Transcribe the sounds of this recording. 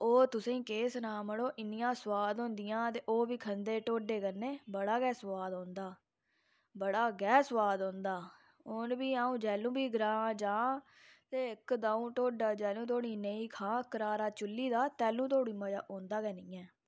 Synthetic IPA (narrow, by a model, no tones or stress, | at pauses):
oːt̪ʊsẽːkeːsnaːməɽoːʔɪnɪjãːsəwaːd̪õːnd̪ɪjãːt̪̬eːʔoːbiːkʰənd̪eːʈoːɖeːkəɾneːbəɽaːɡɛːswaːd̪õːnd̪aː | bəɽaːɡɛːswaːd̪õːnd̪aː | onbiːaːũːd͡ʒɛːlũːbiːɡɾãːd͡ʒãː | t̪eːɪkd̪aːũːʈoːɖaːd͡ʒɛːlũːt̪oːɽ̃iːnəiːkʰãːkəɾaːɾaːt͡ʃʊlːiːd̪aːt̪ɛːlũːt̪oːɽĩːməd͡ʒa̰ːʔõːnd̪aːɡɛːnĩːɛː